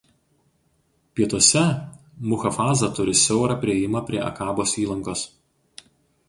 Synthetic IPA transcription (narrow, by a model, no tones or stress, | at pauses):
pʲiɛt̪uɔsʲɛ | mʊxɐfɑːzɐt̪ʊɾʲɪsʲɛʊɾɐpʲɾʲɪɛjɪmɐpʲɾʲiɛʔɐ̰kɑːboːsiːlˠɐŋkoːs